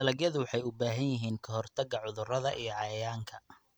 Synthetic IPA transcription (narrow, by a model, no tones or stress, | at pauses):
ɐlɐɣjɐðʊwɑħɑjʊbaːɦɐnjɪɦiːnkʰɐɦɔrt̪ʰɐɡɐʕʊðʊrɐðɐʔijɞʕɑjɐjaːŋkʰɐ